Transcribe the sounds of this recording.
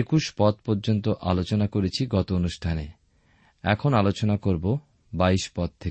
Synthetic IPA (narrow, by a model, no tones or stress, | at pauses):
ekuʃpɔt̪̚pɔɾd͡ʑont̪oʔalot͡ɕonakoɾet͡ɕʰiɡɔt̪oonuʃʈʰane | ɛ̰kʰonalot͡ɕonakoɾbo | baiʃpɔt̪̚t̪ʰːe